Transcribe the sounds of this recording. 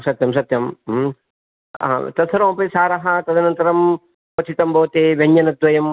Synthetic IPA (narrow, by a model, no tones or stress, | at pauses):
sɐt̪jɐmsɐt̪jɐm | a̰t̪ɐsʰɐɾõːmpesaːɾɐɦɐt̪ɐd̪ɐnɐnt̪ɐɾɐm | pɐt͡ʃʰit̪ɐmbʱɐʋt̪eːbʱɐɲjɐnɐd̪ʋɐjɐm